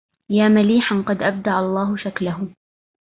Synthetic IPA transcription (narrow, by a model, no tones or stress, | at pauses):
jaːmaliːħanqɑd̪ʔab̚d̪aʕɑlˤːɑːɦʊʃaklaɦʊ